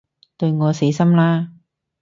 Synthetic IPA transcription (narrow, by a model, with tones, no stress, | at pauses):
t̪ɵ˧ɥŋɔː˨˧se˨˥jsɐ˥mlaː˥